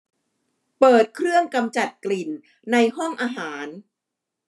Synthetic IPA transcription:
pɤː˨˩t̪̚kʰɾɯ˥˩əŋka˧mt͡ɕa˨˩t̪̚kli˨˩nː | a˧jɦɔ˥˩ŋʔaː˧ɦaː˩˦n

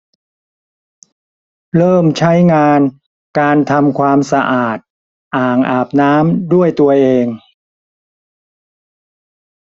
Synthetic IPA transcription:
ɾɤː˥˩mt͡ɕʰa˦˥jŋaː˧n | kaː˧nt̪ʰa˧mkʰwaː˧msa˧ʔaː˨˩t̪̚ | ʔaː˨˩ŋʔaː˨˩p̚naː˦˥mdu˥˩əjt̪u˧ɐʔeː˧ŋ

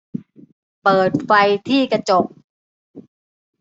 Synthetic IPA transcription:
pɤː˨˩t̪̚fa˧jt̪ʰiː˥˩ka˧t͡ɕo˨˩k̚

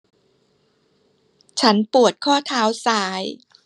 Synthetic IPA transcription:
t͡ɕʰa˦˥npu˨˩ət̪̚kʰɔː˥˩t̪ʰaː˦˥wsaː˩˦j

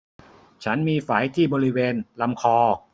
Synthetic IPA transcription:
t͡ɕʰa˦˥nmiː˧faː˩˦jt̪ʰiː˥˩bɔː˧ɾi˦˥weː˧nla˧mkʰɔː˧

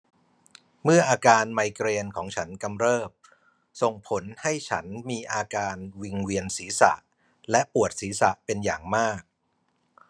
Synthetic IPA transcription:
mɯ˥˩ɐʔaː˧kaː˧nma˧jkɾeː˧nkʰɔː˩˦ŋt͡ɕʰa˦˥nka˧mɾɤː˥˩p̚ | so˨˩ŋpʰo˩˦nha˥˩jt͡ɕʰa̰˦˥nmiː˧ʔaː˧kaː˧nwi˧ŋwi˧ənsiː˩˦sa̰˨˩ʔ | lɛ˦˥ʔpu˨˩ət̪̚siː˩˦sa˨˩ʔpe˧njaː˨˩ŋmaː˥˩k̚

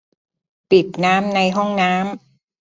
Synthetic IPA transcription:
pi˨˩t̪̚naː˦˥mna˧jɦɔ˥˩ŋnaː˦˥m

